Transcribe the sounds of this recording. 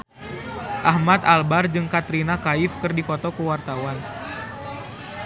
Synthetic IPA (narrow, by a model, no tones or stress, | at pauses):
ʔahmat̪albard͡ʒɨŋkat̪ɾinakaifkɨrdifɔt̪ɔkuwart̪awan